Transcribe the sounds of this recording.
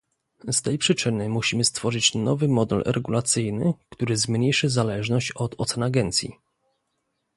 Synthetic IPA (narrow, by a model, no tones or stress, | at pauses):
st̪ɛjpʂɘt͡ʂɘnɘmuɕimɘst̪fɔʐɘt͡ɕnɔvɘmɔd̪ɛ̰lɾɛɡulat̪sɘjnɘkt̪uɾɘzmɲejʂɘzalɛʐnɔɕt͡ɕɔt̪ɔt̪sɛnaɡɛnt̪sʲjḭ